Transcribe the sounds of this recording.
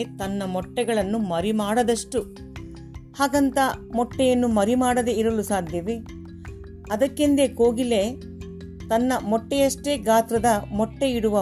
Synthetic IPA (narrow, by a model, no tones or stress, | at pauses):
t̪ɐnːɐmɔʈːɛɡɐɭɐnːumɐɾimaːɽɐd̪ɐʂʈu | haːɡɐnt̪ɐmɔʈːɛjɐnːumɐɾimaːɽɐd̪eiɾɐlusaːd̪ʱjɐʋe | ɐd̪ɐkːind̪e̞koːɡile̞ | t̪ɐnːɐmɔʈːɛjɐʂʈe̞ːɡaːt̪ɾɐd̪ɐmɔʈːeiɽuʋɐ